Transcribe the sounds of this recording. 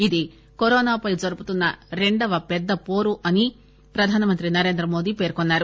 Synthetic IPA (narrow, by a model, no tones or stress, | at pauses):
id̪i | koɾɔːnaːpɐjd͡ʒɐɾuput̪unːɐɾe̞ɳɖɐʋɐpɛd̪ːɐpoːɾuʔɐni | pɾɐd̪ʱaːnɐmɐnt̪ɾinɐɾe̞ːnd̪ɾɐmo̞ːd̪iːpe̞ːɾkonːaːɾu